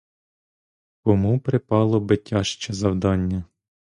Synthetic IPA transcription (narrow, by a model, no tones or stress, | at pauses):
kɔmupɾɪpɑlˠɔbɪtʲːɑʃt͡ʃɛzɐwd̪ɑnʲːɐ